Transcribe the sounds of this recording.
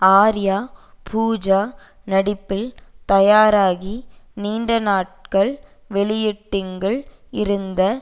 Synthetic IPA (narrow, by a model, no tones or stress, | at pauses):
aːɾɪjaː | pʰuːd͡ʒaː | nɐɽɪpːɪlt̪ɐjaːɾaːɣiniːɳɖɐnaːʈ̚kɐɭ | ʋɛɭɪjɪʈːɪŋɡɐɭ | ɪɾɯnd̪ɐ